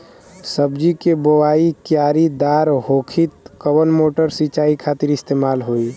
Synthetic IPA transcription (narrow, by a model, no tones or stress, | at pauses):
səbd͡ʒikeboʋaikjaːɾid̪aːɾɦokʰit̪kəwənmoʈəɾsit͡ʃaːikʰat̪iɾɪst̪emalɦoi